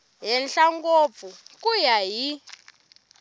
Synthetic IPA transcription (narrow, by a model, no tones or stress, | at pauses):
ɦɛnɬaŋɡop̪fukujaɦi